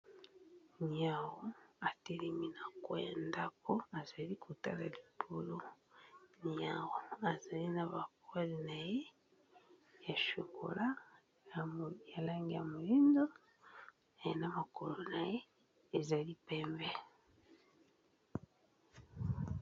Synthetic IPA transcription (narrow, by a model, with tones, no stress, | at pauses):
ni˨a˨ɣo˦a˨te˦li˨mi˦na˨kwe˦ja˨nda˦ko˦a˨za˨li˦kʰu˨ta̰˦la̰˨li˨pʰo˦˨lo˦ | ni˨a˨ɣo˦˨a˨za˨li˦na˨βa˨ku˦a˦li˨na˨je˦ | ja˨ʃo˨kʰo̰˨la˦˨ | ja˨la˦ŋɡi˦ja˨mu˨li˦nzo˦ | a˨je˨na˦ma˨ko˨lo˦na˨jeː˦˨ | za˨li˦pɛ˨mbɛ˦